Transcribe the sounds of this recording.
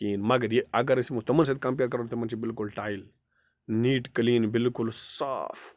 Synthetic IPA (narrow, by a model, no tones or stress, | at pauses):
kiːnmɐɡɐɾjeɐɡɐɾɐsimut̪ɐmɐns̬ɐd̪̚kɐ̃mp̬eːɾkɐɾot̪ɐmɐnt͡ʃʰibɪlkulʈaːjl | niːʈkliːnbɪlkʊlsa̰ːf